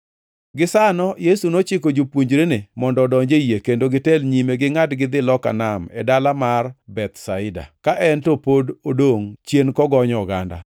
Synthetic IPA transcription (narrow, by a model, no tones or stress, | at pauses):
ɡɪsanɔjesunot͡ʃɪkod͡ʒupwoɲd͡ʒɾenɪmɔndɔdɔɲd͡ʒejekendoɡɪtɛlɲimeɡɪŋadɡɪd̪ɪlɔka̰namɛ̰dalamarbɛt̪saɪda̰kaʔɛntopododoŋt͡ʃjenkɔɡɔɲɔɡa̰nda̰